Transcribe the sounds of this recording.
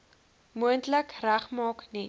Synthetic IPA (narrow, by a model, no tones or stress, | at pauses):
muəntləkræχmɑːkni